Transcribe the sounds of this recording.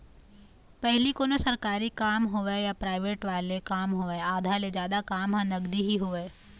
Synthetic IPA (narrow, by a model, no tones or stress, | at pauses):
pɛɦlikonosɐɾkaːɾikaːmɦoʋejapɾaːɪʋeːʈʋaːlekaːmɦoːeaːd̪ʱaled͡ʒjaːd̪akaːmɦãnɐɡd̪iɦiɦoʋeː